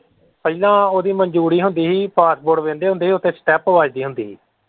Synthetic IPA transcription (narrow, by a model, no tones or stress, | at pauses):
pəilãːoːd̪iːməɲd͡ʒuːɾiːɦʊnd̪iːɦiːpaːsboːɽʋẽːnd̪eːɦʊ̃nd̪eːɦiːʊt̪ẽːsʈɛːpəʋaːd͡ʒd̪iːɦʊnd̪iːɦiː